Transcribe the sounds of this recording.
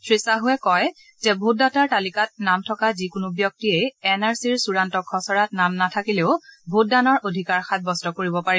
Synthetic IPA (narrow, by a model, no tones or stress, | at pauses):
sʰɹisaɦʊɛkɔj | zɛbʱut̚dataɹtalikat̚namtʰɔkazikʊnubjɔk̚tiejɛnaɹsiɹsuɹantɔkʰːɔsɔɹatnamnatʰakileʊbʱut̚danɔɹʔodʱikaɹxat̚bɔstɔkoɹibɔpaɹi